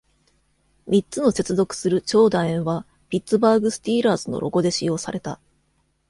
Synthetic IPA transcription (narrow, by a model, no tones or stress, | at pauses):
mʲit͡sɨno̞se̞t͡sɨzo̞kɯ̟̥sɨɾɯ̟t͡ɕo̞ːd̪aẽɰ̃βa | pʲitt͡sɨbaːɡɯ̟sɨ̥t̪ʲiːɾaːzɨno̞̰ɾʔo̞̰ɡo̞d̪e̞ɕijo̞ːsaɾe̞t̪a̰